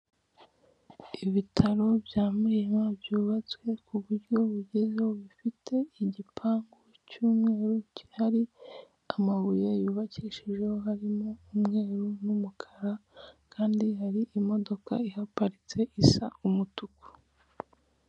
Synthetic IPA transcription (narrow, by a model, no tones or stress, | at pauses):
iβitʰaɾo̞bjaːmuijemabjuːβat͡swe̞kʰuβuɾɟo̞βuɟezeoβifitʰe̞iɟipʰaːŋɡo | cuːmŋe̞ːɾuci̥haɾi | amaβujojuːβaciːʃiʒe̞ho̞ɦaɾimoumŋe̞ːɾunumukʰaɾakʰaːndihaɾiʔːmo̞do̞ka̰ihapaɾit͡se̞ʔisa̰umutuku̥